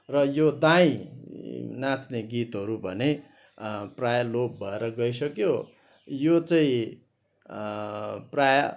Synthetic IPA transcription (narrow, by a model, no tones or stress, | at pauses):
rʌjod̪aĩ | nãt͡sneɡit̪ɦʌɾubʱʌne | prajʌlop̚bʱʌeɾʌɡʌjsʌkjo | jot͡saĩ | prajʌ